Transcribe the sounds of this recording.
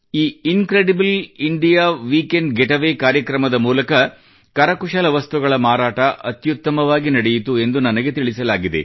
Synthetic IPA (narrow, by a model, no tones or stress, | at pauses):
iːinkɾeɖibliɳɖijaːʋiːkeɳɖɡeʈɐʋeːkaːɾjɐkɾɐmɐd̪ɐmuːlɐkɐ | kɐɾɐkuʃɐlɐʋɐst̪uɡɐɭɐmaːɾaːʈɐʔɐt̪jut̪ːɐmɐʋaːɡinɐɽejit̪ue̞nd̪unɐnɐɡet̪iɭisɐlaːɡid̪e̞̰